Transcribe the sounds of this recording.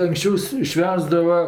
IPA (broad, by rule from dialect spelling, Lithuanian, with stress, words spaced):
ɐŋkˈsʲt͡ʃʲɛʊs ˈʃʲʋʲæːzdɐʋɐ